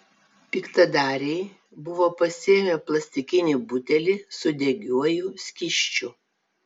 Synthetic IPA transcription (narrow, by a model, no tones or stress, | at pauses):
pʲikt̪ɐd̪ɑːɾʲɛɪ | bʊʋoːpɐsʲiɛmʲɛplˠɐsʲt̪ʲɪkʲɪnʲiˑbʊt̪ʲɛlʲɪsʊd̪ʲɛɡʲuɔjuːsʲkʲɪʃʲt͡ʃʲʊ